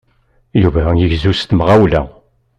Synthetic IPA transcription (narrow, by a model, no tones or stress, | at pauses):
juvæjəʝzust̪mʁæwlæ̰